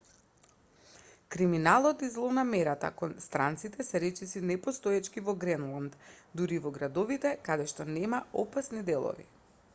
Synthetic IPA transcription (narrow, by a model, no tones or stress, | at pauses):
kɾiminalˠɔt̪izlˠɔvnamɛɾat̪a̰kɔnst̪ɾant̪sit̪ɛsɛɾɛt͡ʃisinɛpɔst̪ɔɛt͡ʃkivɔɡɾɛnlˠand̪d̪uɾivɔɡɾad̪ɔvit̪ɛkad̪ɛʃt̪ɔnɛmaɔpasnid̪ɛlˠɔ̰vḭ